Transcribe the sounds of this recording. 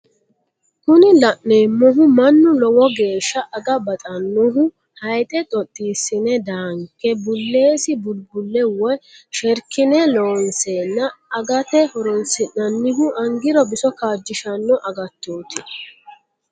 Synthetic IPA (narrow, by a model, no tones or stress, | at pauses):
kʊnɪlɐʔneːmːɔɦʊmɐnːʊlɔwɔɡe̞ːʃːɐʔɐɡɐbɐt̪ʼɐnːɔɦʊ | hɐjt̪ʼɛt̪ʼɔt̪ʼːiːsɪnɛd̪aːŋkːɛbʊlːe̞ːsɪbʊlbʊlːɛwɔjʃɛɾkːɪnɛloːnsenːɐːɡɐt̪ɛhɔɾɔnsɪnɐnːɪɦʊʔɐŋɡɪɾɔbɪsɔkaːd͡ʒːɪʃɐnːɔʔɐɡɐt̪ːoːt̪ɪ